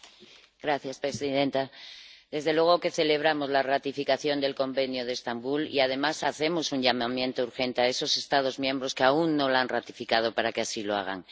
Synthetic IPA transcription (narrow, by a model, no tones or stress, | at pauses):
ɡ̥ɾaθjaspɾe̞siðe̞nt̪aðe̞zðe̞lwe̞ɣo̞ke̞θe̞le̞β̞ɾamo̞zlarat̪ifikaθjo̞nd̪e̞lko̞mbe̞njo̞ðe̞st̪ambulḭað̞e̞masaθe̞mo̞suɲʎamamjẽ̞nt̪ouɾxe̞nt̪eae̞so̞se̞st̪að̞o̞zmjẽ̞mbɾo̞skeaunːo̞lanrat̪ifikað̞o̞paɾakeasilo̞a̰ɣ̞a̰ŋ